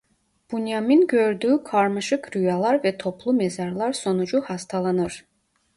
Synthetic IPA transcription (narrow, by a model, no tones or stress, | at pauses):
b̥ynjaminɟøɾd̪yːkʰaɾmaʃɯkɾyjalˠaɾvɛt̪ʰo̞pʰlˠumezaɾlˠaɾso̞nud͡ʒuhast̪ʰalˠanɯɾ̥